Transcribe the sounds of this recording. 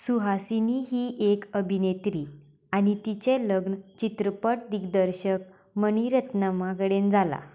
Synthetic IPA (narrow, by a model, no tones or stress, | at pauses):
suɦasiniɦiʔekəbʱinet̪ɾi | anit̪it͡ɕeləɡnt͡ɕit̪ɾəpəʈ̚d̪iɡd̪əɾɕək̚ | məniɾət̪nəmaɡəɽend͡zʱala̰